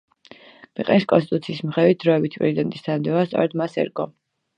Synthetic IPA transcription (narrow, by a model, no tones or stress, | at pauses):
b̥ɛqʼɛniskʼɔ̰nst̪it̪ʼut̪sʰiːsmχɛvwit̪̚d̪ɾɔɛbit̪ʰipʼɾɛzid̪ɛnt̪ʼist̪ʰand̪ɛvast̪sʼɔ̰ɾɛd̪masɛ̰ɾɡɔ